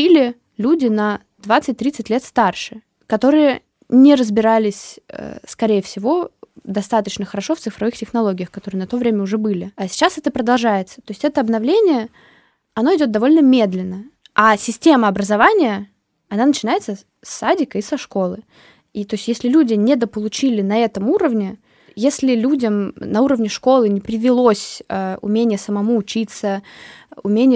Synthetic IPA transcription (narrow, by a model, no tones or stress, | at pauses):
ilʲɪ | lʲudʲɪnɐ | d̪vat̪sɨt̚ʲt̪ːɾʲit̪sɨtʲlʲet̪st̪arʂɨ | kɐt̪o̞ɾɨjə | nʲɪɾəzbʲɪɾalʲɪsʲə̰skɐɾʲejəfsʲɪvo̞d̪ɐst̪at̪ət͡ɕnəxəɾɐʂo̞ft̪sɨfɾɐvɨxtʲɪxnɐlˠo̞ɡʲɪjəxkɐt̪oɾɨənɐt̪o̞vɾʲemʲəʊʐɛbɨlʲɪasʲɪ̥t͡ɕːasɛt̪əpɾəd̪ɐlˠʐajɪt̪sə̥t̪o̞ɪsʲtʲɛt̪əɐbn̪ɐvlʲenʲɪjə | ɐno̞ɪdʲod̪ɐvo̞lʲnəmʲe̞d̪lʲɪnːə | asʲɪsʲtʲe̞məɐbɾəzɐvanʲɪjə | ɐnanət͡ɕɪnajɪt̪sə | sːadʲɪkəisɐʂko̞lˠɨ | it̪o̞ɪsʲt̪ʲjesʲlʲɪlʲudʲɪnʲɪd̪əpəlˠʊt͡ɕilʲɪnɐɛt̪əmuɾəvnʲɪ | jesʲlʲɪlʲudʲəmnɐuɾəvnʲɪʂko̞lˠɨnʲɪpɾʲɪvʲɪlˠo̞sʲəʊ̰mʲenʲɪjəsəmɐmuːt͡ɕit̪sə | ʊmʲenʲɪ